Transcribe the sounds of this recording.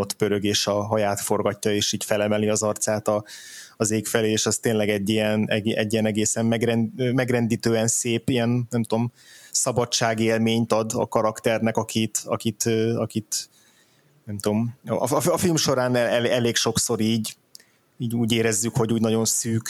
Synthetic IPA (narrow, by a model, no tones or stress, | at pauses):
ot̪bøɾøɡeːʃɒɦɒjaːt̪fo̞rɡɒcːɒeːʃiːcfɛlɛmɛliɒzɒrt̪saːt̪ɒːzeːkfɛleːʃɒst̪eːnlɛɡɛɟːijɛnɛɡɛ̰ɟːijɛnɛɡeːsɛmmɛɡrɛnːmɛɡrɛnd̪iːt̪øːɛnseːpijɛnnɛmt̪omsɒbɒt͡ʃːaːɡeːlmeːɲt̪ɒd̪ɒ̰kɒɾɒkt̪ɛrnɛkɒkʰit̪ɒ̰kit̪øɒkit̪ | nɛmt̪omɒɒɒfilmʃo̞ɾaːnɛɛlɛleːkʃo̞kso̞ɾiːɟ | iːɟuːɟeːɾɛzːykho̞ɟuːɟnɒɟo̞nsyːk